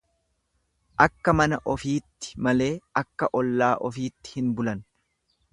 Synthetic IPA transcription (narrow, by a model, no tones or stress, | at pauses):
ʔɐkːɐmɐnɐʔɔfiːt̪ːɪ̥mɐle̞ːɐkːɐʔɔlːaːʔɔfiːt̪ːɪ̥hɪnbʊlɐn